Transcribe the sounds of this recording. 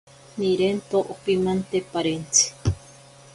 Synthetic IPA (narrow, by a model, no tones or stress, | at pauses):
niɾent̪oʔopimant̪epaɾent͡sʰi̥